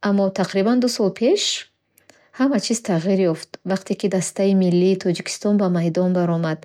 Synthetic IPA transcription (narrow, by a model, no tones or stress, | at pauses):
ʔamːɔt̪ʰaqɾiband̪usɔlpʰe̞ʃ | hamat͡ʃʰiz̥t̪ʰaʁiɾjɔft̪vaqt̪ʰekid̪ast̪aimilːiːt̪ʰɔd͡ʒikʰi̥st̪ɔnbamajd̪ɔnbaɾɔmad̪